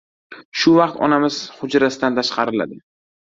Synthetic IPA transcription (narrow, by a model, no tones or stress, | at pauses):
ʃʊvɑqt̪ɒ̰namɪz̥hʊd͡ʒɾasɪd̪ant̪ʰaʃqɑɾɪla̰d̪ɪ